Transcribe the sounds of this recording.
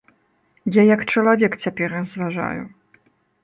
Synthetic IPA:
jajɐkt͡ʂɐlˠavʲɛkt͡sʲapʲɛrrɐzvaʐa̰jṵ

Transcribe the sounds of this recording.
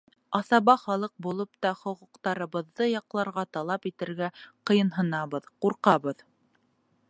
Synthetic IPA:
ɑθɑβɑχɑlˠɤq̚bulˠɤp̚t̪ɑχŏquqt̪ɑɾɤ̆βɤ̆ðːɤjɑqlˠɑɾʁɑt̪ɑlˠɑpit̪ɘ̆ɾɡæqɤ̆jɤ̆nɦɤ̆nɑβɤðquɾqɑβɤð

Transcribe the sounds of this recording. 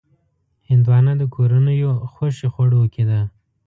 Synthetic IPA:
hɪnd̪wɑnad̪əkʰoɾanəjoxoʃexoɽowəkʰed̪a

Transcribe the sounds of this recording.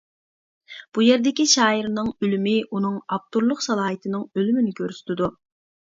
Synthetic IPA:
b̥ujɛɾd̪ɪkʲiʃɑːiɾnɨŋølymɪʔunɨŋɑp̚t̪uɾlˠʊqsɑlˠɑːɦit̪ʰɨnɨŋølymɪnɪkʲʰøɾsy̥t̪ʰɪd̪u

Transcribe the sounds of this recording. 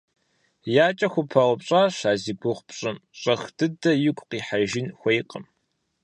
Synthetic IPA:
jaːt͡ʃʼɐxʷʊpʰɐʁʷʊpɕʼaːɕaːziɡʷʊʁʷpɕʼɪmɕʼɐxd̥ɨdɐjɪkʷʼqiːħaʒɪnxʷɐjqʼəm

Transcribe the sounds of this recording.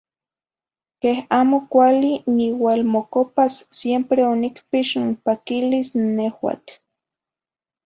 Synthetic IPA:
kehaːmokʷaliniwaːlmokopasːjempɾeonikpiʃimpakilisnehwa̰t͡ɬ

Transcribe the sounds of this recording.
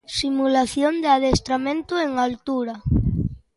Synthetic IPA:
simulaθjond̪eað̞est̪ɾamẽnt̪ueŋalt̪uɾa

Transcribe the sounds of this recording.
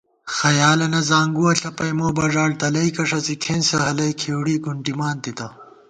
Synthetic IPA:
xɐjaːlɐnɐzaːŋɡuɐɬɐpɐjmoːbɐʐaːlt̪ɐlɐjkɐʂɐsikʰensɐɦɐlɐjkʰeːwɽiːɡuɳʈimaːnt̪it̪ɐ

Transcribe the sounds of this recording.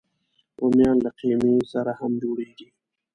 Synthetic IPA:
omjɑnlaqemesaɾahamd͡ʒoɽeɡi

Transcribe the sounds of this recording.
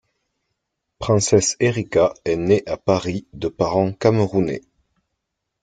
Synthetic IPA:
pχɛ̃sɛseʁikaɛneʔapaʁid̪əpaʁɑ̃kaməʁunḛ

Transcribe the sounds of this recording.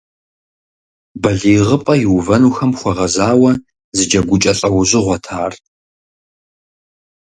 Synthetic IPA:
bɐɮiːʁəpʼɐjɪwvɐnuːxɐmχʷɔʁɐzaːwɐ | zɨd͡ʒɐɡʷʊt͡ʃʼɐɬʼɐwʊʑɪʁʷɔtʰaːr

